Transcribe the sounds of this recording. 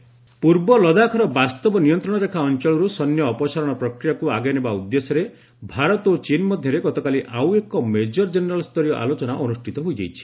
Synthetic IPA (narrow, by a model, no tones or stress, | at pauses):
puɾbɔlɔd̪akʰɔɾɔbast̪ɔbɔnijɔnt̪ɾɔɽ̃ɔɾekʰaɔnt͡ʃɔɭɔɾusɔnjɔːpɔsaɾɔɽ̃ɔpɾɔkɾijakuaɡenebaud̪ːesɔɾe | bʱaɾɔt̪ot͡ʃinmɔd̪ʱjɔɾeɡɔt̪ɔkaliʔawekɔmed͡ʒɔɾd͡ʒeneɾalst̪ɔɾijɔʔa̰lot͡ʃɔnaʔɔnusʈʰit̪ɔɦojd͡ʒejt͡ʃʰi̥